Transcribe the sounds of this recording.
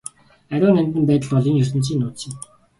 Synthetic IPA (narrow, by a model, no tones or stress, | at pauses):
æɾʲʊːnæmʲt̪ɘ̆mpæːt̪ə̆ɮpɔɮiːŋjɵrs̬ə̆nt͡ɕ̬iːnːʊːt̪t͡ɕĭ